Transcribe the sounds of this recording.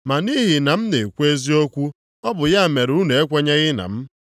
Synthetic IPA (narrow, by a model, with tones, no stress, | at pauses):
ma˨ni˦ɦi˨na˨m̩˦ne˨kʷe˦zi˦o˦kʷu˦ | ɔ˦bʊ˨ja˦˨me˨ɾu˦ne˨e˦kʷe˦ɲa˦ɣɪ˦na̰˨m̩˦